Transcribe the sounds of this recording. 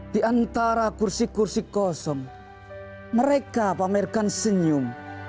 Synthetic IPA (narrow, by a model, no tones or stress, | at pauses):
d̪̥i̤ʔant̪aɾakursikursikɔsɔŋ | məɾekapamerkansəɲum